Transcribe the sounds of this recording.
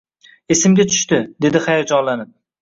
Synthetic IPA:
esɪmɡʲat͡ʃ̪ʰʊ̥ʃt̪ɪd̪e̞d̪ɪχajɒd͡ʒɒnlanɪp̚

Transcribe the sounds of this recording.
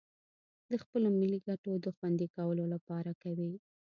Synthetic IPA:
d̪əxpəlomiliɡaʈod̪əxwand̪ikawəlolapɑɾakawi

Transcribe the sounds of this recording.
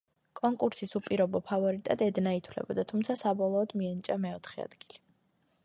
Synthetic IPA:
kʼɔŋkʼuɾsisupʼiɾɔbɔpʰavɔɾit̪ʼad̪ɛd̪nait̪ʰwlɛ̰bɔd̪at̪ʰumt̪sʰasabɔlˠɔːd̪miɛnit͡ʃʼamɛɔt̪ʰχɛa̰d̪̥ɡ̥ili

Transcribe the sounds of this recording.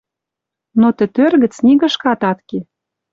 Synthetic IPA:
not̪ɘ̆t̪ørɣə̆t͡sniɣə̆ʃkɑt̪ɑt̪ke

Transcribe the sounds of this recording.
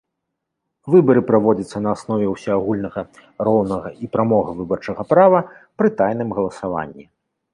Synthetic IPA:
vɨbɐɾɨpɾavɔd͡zʲɐt̪sːɐnɐːsnɔvʲɛwsʲɔaɣulʲnɐɣɐɾɔwnɐɣɐʔipɾamɔɣɐvɨbɐrt͡ʂɐɣɐpɾavɐpɾɨt̪ajnɨmɣɐlˠɐsava̰nʲːi

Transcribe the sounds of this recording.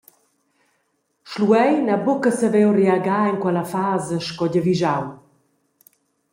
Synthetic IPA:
ʃluɛjnabukəsəvɛwreaɡaːinkwɛlafaːzəʃkɔɟəviʒaw

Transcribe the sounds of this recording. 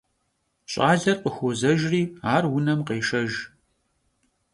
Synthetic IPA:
ɕʼaːɮɐrqəxʷozɐʒriːaːrwʊnɐmqeːʃɐʒ

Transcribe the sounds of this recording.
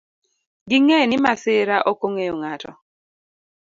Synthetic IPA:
ɡɪŋenɪmasɪɾaʔokoŋeoŋatʰɔ̰

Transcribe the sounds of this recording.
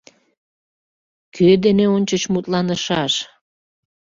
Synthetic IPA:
kʰød̪eneonʲt͡ɕət͡ɕmut̪lɑnəʃɑʃ

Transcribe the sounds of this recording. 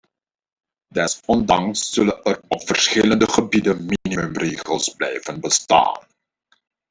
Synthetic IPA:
dɛsɔndɑŋsːɵlənərɔpfərsχɪləndəχəbidənminimʏmreːχəlˠsblɛ̰jvənbəsta̰ːn

